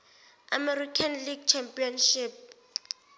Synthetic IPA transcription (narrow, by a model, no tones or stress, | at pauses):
amɛrikʰanliɡt͡ʃʰɛmpʼiɔnʃip̚